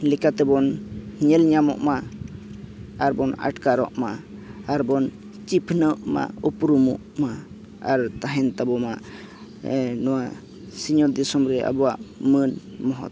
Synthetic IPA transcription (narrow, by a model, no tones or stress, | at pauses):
lɛkat̪ɛbɔnɲɛlɲamɔ̰ʔma | aɾbɔna̰ʈkaɾɔ̰ʔmaːɾbɔn | t͡ʃipʰnəʔma̰upɾumɔʔma | aɾt̪aɦɛnt̪abɔma | nɔwa | siɲɔɾd̪isɔmɾɛʔa̰bɔwaʔmənmɔɦɔ̰t̪